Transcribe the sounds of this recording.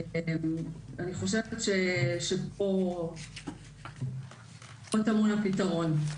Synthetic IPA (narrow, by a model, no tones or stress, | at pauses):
aniχo̞ʃe̞vetʃeʃepo | otamunapitaʁo̞n